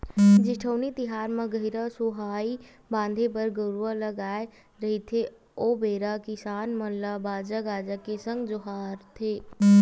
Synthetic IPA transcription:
d͡ʒɪʈʰoːnit̪ɪɦaːɾmẽɡəɪɾasuɦaːi | bãːnd̪ʱepəɾɡəɾualəɡaːe | ɾɐɦit̪ʰe | oːbeːɾakɪsaːnmənlabaːd͡ʒaɡaːd͡ʒakesə̃ŋɡd͡ʒʊɦaːɾt̪ʰeː

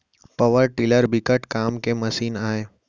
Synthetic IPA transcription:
pɐʋəɾʈɪləɾbɪkəʈkaːmkemɐsiːnaːeː

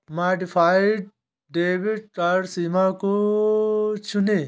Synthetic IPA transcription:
maːɖifʰaːjɖ̚ | ɖeːbiɖ̚kaɾsiːmako | t͡ʃʰuneː

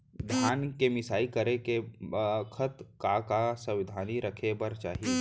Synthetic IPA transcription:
d̪ʱjaːnkemɪsaːikəɾekebəkʰət̪kakasə̃ʋɪd̪ʱaːniɾəkʰebɐɾt͡ʃaːɦie

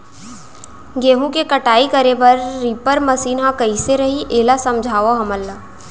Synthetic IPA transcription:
ɡeːɦũkekɐʈaːikɐɾepɐɾːiːpəɾmɐsiːnɦãkɐiseɾɐɦiʔeːlasɐ̃md͡ʒʱaːʋoɦɐməlːa

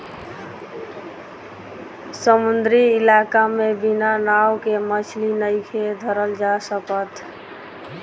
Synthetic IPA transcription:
səmund̪ɾiɪlakamebinanawkemət͡ʃʰlinəjkʰed̪ʱəɾəld͡ʒasəkət̪ʰ

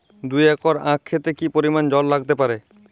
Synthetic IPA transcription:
d̪ujɛkoɾãkʰːet̪ekipoɾimand͡ʑɔlːaɡ̚t̪epaɾe

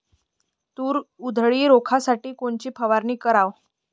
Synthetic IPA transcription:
t̪uːɾud̪ʱɭiːɾokʰasaʈiːkoɳt͡ɕiːpʰəʋaɾniːkəɾaʋ

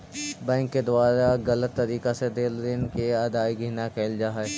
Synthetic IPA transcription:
bɛ̃ːŋkːed̪ʊaːɾaɣɐlət̪ːɐɾiːkased̪eːld̪ɪnkeɐd̪aːiɡʱiːnakʰeːld͡ʒaːɦɛ

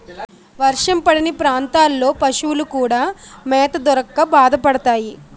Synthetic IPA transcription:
ʋɐɾʂɐmpɐɽinipɾaːnt̪aːlːo̞ːpɐʂuwulukuːɽaːmɛːt̪ɐd̪ɔɾɐkːɐbaːd̪ɐpɐɽɐt̪aːji

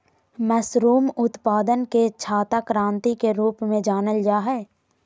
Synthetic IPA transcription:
mɛːsɾuːmʊt̪paːd̪ənket͡ʃʰaːt̪akɾãːnt̪ikeɾuːpmẽd͡ʒaːnəld͡ʒaːɦɛː

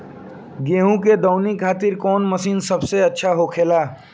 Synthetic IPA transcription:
ɡẽːɦũked̪ɔʊnikʰaːt̪ɪɾkɔːnməsiːnsɐbseɐtːʃʰaɦoːkʰeːlaː

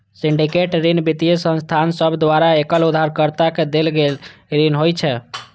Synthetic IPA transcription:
siɳɖikeʈɾinbit̪ijsə̃nst̪ʰansəbʱd̪waɾaekəlud̪ʱaɾkəɾt̪aked̪elɡelɾinɦojt͡ʃʰɛ

